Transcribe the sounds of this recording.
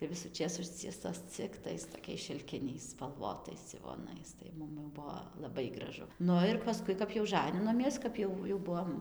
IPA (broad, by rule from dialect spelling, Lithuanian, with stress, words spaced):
tɐɪ ʋʲɪsuːˈt͡ʃʲeːs ˈʊʃʲt͡sʲiɛstoːs t͡sʲɪk ˈtɐɪs toːˈkʲɛɪs ʃʲɪlʲˈkʲɪnʲɛɪs spɐlˠˈʋoːtɐɪs d͡zʲɪʋoːˈnɐɪs tɐɪ ˈmʊm jɛʊ ˈbʊʋoː lˠɐˈbɐɪ ɡrɐˈʒʊ ˈnʊ ɪr pɐˈskʊɪ kɐp jɛʊ ˈʒɑːnʲɪnoːmʲiɛs kɐp ˈjɛʊ jɛʊ ˈbʊʋoːm